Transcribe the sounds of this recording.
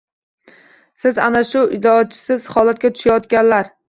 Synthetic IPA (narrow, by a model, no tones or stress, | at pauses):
sɪzanaʃʊʔɪd̪ɒt͡ʃʰɪ̥sɪz̥hɒlat̪̚ɡʲat̪ʰʊ̥ʃajɒt̪kʲanlaɾ